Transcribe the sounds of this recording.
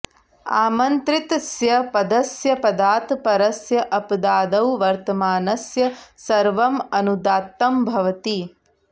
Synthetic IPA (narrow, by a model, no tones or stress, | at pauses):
aːmɐnt̪ɾit̪sjɐpɐd̪ɐsjɐpɐd̪aːt̪pɐɾɐsjɐʔɐpd̪aːd̪ɐwʋɐɾt̪ɐmaːnɐsjɐsɐɾʋɐmɐnud̪aːt̪ːɐmbʱɐʋɐt̪i